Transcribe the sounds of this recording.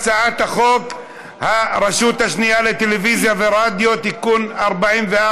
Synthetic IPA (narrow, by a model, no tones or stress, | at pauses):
t͡saat̪haχo̞k | haɾeʃut̪haʃnijale̞t̪e̞levizjaveʁad̪jo̞t̪ikunaʁbaimvea